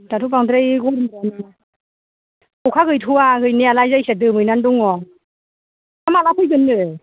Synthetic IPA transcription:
datʰupaŋdɾejɡɔɾɯana | kukʰaɡɯjtʰuaɡɯjnialajzajsedɯmɯjnanduŋɔ | amalapʰɯjɡɯnːɯ

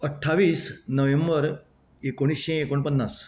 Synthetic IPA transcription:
əʈʰːaʋiːsnəʋembəɾ | ekoɽ̃iːsɕẽekoɳpənːas

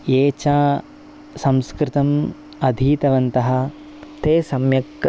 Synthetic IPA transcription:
eːt͡ʃaː | sɐ̃mskɾɪt̪ɐm | ɐd̪ʱiːt̪ɐʋɐnt̪ɐɦɐ̆ | t̪eːsɐmjɐk

